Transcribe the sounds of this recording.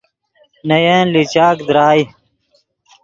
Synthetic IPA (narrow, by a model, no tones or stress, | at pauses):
nɐjẽːnlit͡ɕaːkd̪ɾaːj